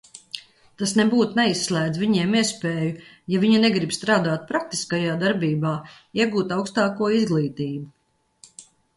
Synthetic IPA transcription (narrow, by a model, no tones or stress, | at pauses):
t̪asnɛbuːt̪nɛisːlʲæːd̪zviɲɛɛmiɛspeːju | javiɲunɛɡɾibst̪ɾaːd̪aːt̪̚pɾak̚t̪i̥skajaːd̪aɾbiːbaː | iɛɡuːt̪awkst̪aːkuɔizɡlˠiːt̪iːbu